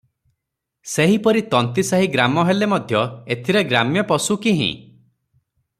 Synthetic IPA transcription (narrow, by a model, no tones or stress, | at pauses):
seɦipɔɾit̪ɔnt̪isaɦiɡɾamɔɦelemɔd̪ʱjɔet̪ʰiɾeɡɾamjɔpɔsukiɦḭ̃